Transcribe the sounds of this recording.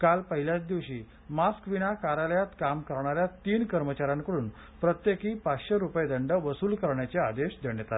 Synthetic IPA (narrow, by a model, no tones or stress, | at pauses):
kalpəɦiljat͡sd̪iʋɕiː | maskʋinakaɾaljat̪kamkəɾɳaɾjat̪iːnkəɾmət͡ɕaɾãŋkəɽuːn | pɾət̪jekiːpatɕeɾupəjd̪əɳɖəʋəsuːlkəɾɳjat͡sead̪eɕd̪eɳjet̪ae